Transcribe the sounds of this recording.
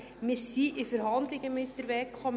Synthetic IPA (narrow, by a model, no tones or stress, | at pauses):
mɪɾsiʔɪfəɾhɑndlɪɡəmɪt̚d̥əɾʋɛkʰχɔm